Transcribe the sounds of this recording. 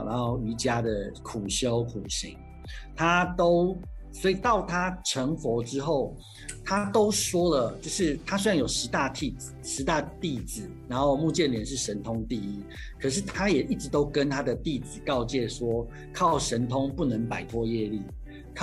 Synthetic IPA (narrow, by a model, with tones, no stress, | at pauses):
n˧ɑ˦˥˩ʊy˧˥t͡ɕja˥d̪ə˨kʰu˨˩ɕjo˦˥ʊkʰu˨˩ɕḭ˨˦ŋ | t̪ʰa˥t̪o˥ʊswɔ˧˥i˨˩t̪ɑ˥˩ʊt̪ʰa˥ʈ͡ʂʰə˧˥ŋfwɔ˧˥ʈ͡ʂɻ̩˥xo˥˩ʊ | t̪ʰa˥t̪o˥ʊʂwɔ˥lə˨t͡ɕjo˥˧ʊʂɻ̩˥˩t̪ʰa˥se˥˩njo˨˩ʊʂɻ̩˧˥t̪a˥˧t̪ʰi˥˩d͡z̩˨˩ʂɻ̩˧˦˥t̪a˥˧t̪i˥˩d͡zɹ̩˨˩na˧˦nxo˥˧ʊmu˥˧t͡ɕjɛ˥˩nljɛ˨˥˦nʂ̬ɻ̩˥˩ʂə˧˦˥nt̪ʰʊ˥ŋt̪i˥˩i˥ | kʰɤ˨˩ʂ̬ɻ̩˥˩t̪ʰa˥jɛ˨˩ʔi˥˩ʈ͡ʂɻ̩˧˦t̪o˥ʊkə˦nt̪ʰa˥d̪ə˨t̪i˥˩d͡zɹ̩˨˩kɑ˥˧ʊt͡ɕjɛ˥˩ʂwɔ˥ | kʰɑ˥˩ʊʂə˧˦nt̪ʰʊ˥ŋpu˥˩nə˧˥ŋpa˨˩ɪt̪ʰwɔ˥˧jɛ˥˧li˥˩ | kʰ